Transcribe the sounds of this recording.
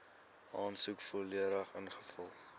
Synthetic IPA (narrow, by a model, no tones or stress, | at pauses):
ʔɑːnsukfoliəɾəχənχəfɐlˠ